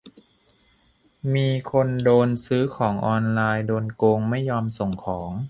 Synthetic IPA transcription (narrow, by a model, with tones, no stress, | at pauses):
miː˧kʰo˧ndoː˧nsɯː˦˥kʰɔː˩˦ŋʔɔː˧nlaː˧jdoː˧nkoː˧ŋma˥˩jːɔː˧mso˨˩ŋkʰɔː˩˦ŋ